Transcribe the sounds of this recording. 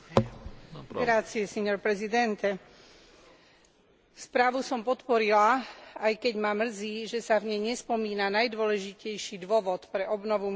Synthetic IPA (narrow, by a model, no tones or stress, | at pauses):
ɡɾat͡siɛsɛɲɔɾpɾɛzid̪ɛnt̪ɛ | spɾaːʋusɔmpɔt̪pɔɾilaajkɛɟmamr̩ziːʒɛsavɲɛjɲɛspɔmiːnanajd̪ʋɔlɛʒicɛjʃiːd̪ʋɔʋɔt̪pɾɛʔɔbnɔʋu